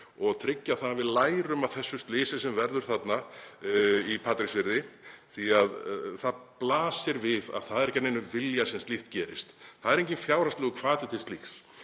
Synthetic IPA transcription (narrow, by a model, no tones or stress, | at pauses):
ɔɣt̪ʰɾɪcːaθanːavɪðlaːjɾʏmaðθɛsːʏst̪lɪːsɪsɛmvɛɾðʏɾ̥θat̪na | ipʰaːt̪ɾiksvɪɾðɪθiaðθaðplaːsɪɾvɪða̰ðθaðɛɾɛhcat̪nejnʏvɪljasɛmst̪lɪht̪̚cɛːɾɪ̰st̪θaðɛɾejɲcɪnfjaːwɾast̪ɛːɣʏkʰvaːt̪lɪt̪ʰɪst̪lixs